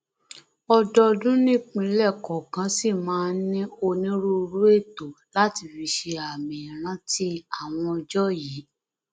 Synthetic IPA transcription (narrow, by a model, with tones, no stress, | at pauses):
ɔ˧dɔ˧dũ˦nĩ˦k͡pĩ˧˦lɛ˦˨kɔ˨kã˧˦si˦˨mãː˨˦nĩ˦o˧nĩ˦ɾu˦˧ɾu˦e˦˨to˨ | la˦ti˧fi˧ʃe˧a˨mĩ˨ɾ̃ã˨˦ti˧˦a˦˨w̃ɔ̃˧d͡ʒɔ˦ji˨˦